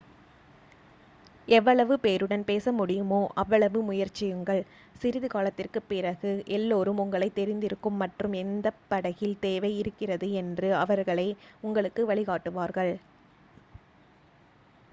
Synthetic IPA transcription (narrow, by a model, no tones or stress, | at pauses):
ɛʋːɐɭɐʋɯpeːɾɯɽɐnpeːsɐmʊɽɪjɯmoːʔɐʋːɐɭɐʋɯmʊjɐɾt͡ʃːɪjɯŋɡɐɭ | sɪɾɪðɯɣaːlɐt̪ːɪrkɯpːɪrɐɣɯʔɛlːoːɾɯmʊŋɡɐɭɐɪt̪ːɛɾɪnd̪ɪɾɯkːɯmːɐʈrɯmɛnd̪ɐpːɐɽɐɣɪlt̪eːʋɐɪɪɾɯkːɪrɐðɯɛndrɯɐʋɐɾɣɐɭɐɪʊŋɡɐɭɯkːɯʋɐɭɪɣaːʈːɯʋaːɾɣɐɭ